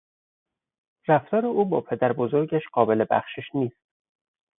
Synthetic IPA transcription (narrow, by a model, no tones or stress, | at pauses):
ræft̪ʰɒːɾeʔuːbɒːpʰe̞d̪æɾbozo̞ɾɟæʃɢɒːbelebæ̰xʃeʃniːst̪̚